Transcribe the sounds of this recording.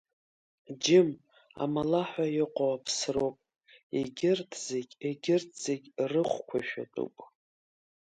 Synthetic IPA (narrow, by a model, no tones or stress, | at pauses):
d͡ʒɪm | a̰malaħʷajɪqʷʼowapʰsrowpʼ | ḛɡʲɪrtʰzeɡʲeɡʲɪrtʰz̥eɡʲrɨχʷkʷʰa̰ʃᶣa̰tʼṵpʼ